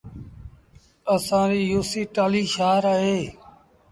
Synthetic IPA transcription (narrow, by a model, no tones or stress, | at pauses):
əsãːɾiːjuːsiːʈaːliːʃaːɾaːɦeː